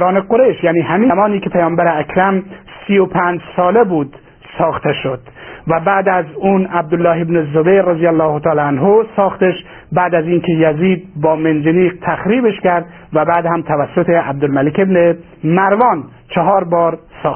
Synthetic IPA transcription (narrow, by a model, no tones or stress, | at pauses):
ɾɒːneqoɾeʃjæːniːɦæmiːmɒːniːkʰepʰæjɒːmbæɾeækʰɾæmsiːopʰænd͡ʒsɒːlebuːd̪ | sɒːxt̪ʰeʃo̞d̪̥væbæːd̪æzuːnæb̚d̪olːɒːɦebnezobejɾezijælːɒːhot̪ʰɒːlːænɦosɒːxt̪eʃ | bæːd̪æziːnkʰejæziːd̪̚bɒːmend͡ʒeniːqt̪ʰæxɾiːbeʃkæɾd̪ | væbæːd̪hæmt̪ʰævæsːot̪ʰeæb̚d̪olmælekebne | mæɾvɒːn | t͡ʃʰeɦɒːɾbɒːɾsɒːx